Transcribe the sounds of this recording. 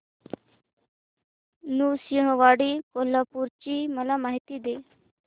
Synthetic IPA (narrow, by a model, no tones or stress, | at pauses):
nusjəɦə̃ʋaɽikolapuɾt͡ɕiːməlamaɦit̪id̪e